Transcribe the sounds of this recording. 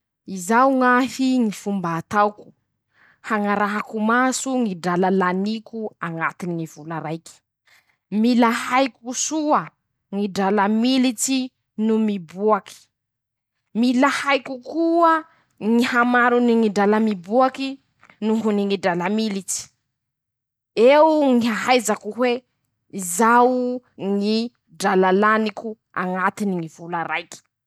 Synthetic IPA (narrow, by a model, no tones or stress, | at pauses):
izauŋafiŋifumbaːt̪awku̥ | haŋaɾaɦakumasuŋiɖ͡ʐalalanikuaŋat̪iniŋiv̥ulaɾajki̥ | milahajkusuə | ŋiɖ͡ʐalamilit͡si | numibuaki̥ | milahajkukuə | ŋihamaɾuniŋiɖ͡ʐalamibuaki | nuŋɦuniŋiɖ͡ʐalamilit͡si̥ | euŋiɦaɦajzakuɦwe | izaw | ŋi | ɖ͡ʐalalaniku | a̰ŋat̪iniŋiv̥ulaɾajki̥